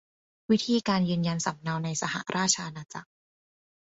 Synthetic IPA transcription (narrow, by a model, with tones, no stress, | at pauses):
wi˦˥t̪ʰiː˧˩kaː˧njɯː˧nja˧nsa˨˩m̚na˧wna˧jsa˧ha̰˨˩ɾʔaː˥˩t͡ɕʰaː˧naː˧t͡sa̰˨˩k̚